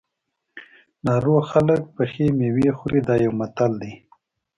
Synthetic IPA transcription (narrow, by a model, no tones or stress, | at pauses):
nɑːɾoːxalək̚pəxemewexuɾid̪ɑːjawmat̪ald̪i